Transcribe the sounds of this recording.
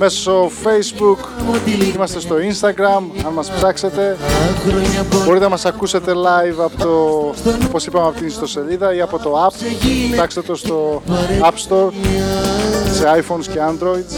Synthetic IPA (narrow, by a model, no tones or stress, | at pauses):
me̞so̥sofejzbuk | imɐst̪e̞st̪o̞inst̪ɐɡɾɐmɐnmɐsft̪ɐkse̞t̪e̞ | bo̞ɾit̪enɐmɐsɐkuse̞t̪e̞lɐjvɐpot̪oopo̞sipɐmeɐpot̪inst̪o̞se̞liðɐiɐpo̞t̪o̞ɐpft̪ɐkset̪o̞st̪o̞ɐpst̪o̞ɾ | se̞ɐjfonsce̞ɐnd̪ɾo̞id̪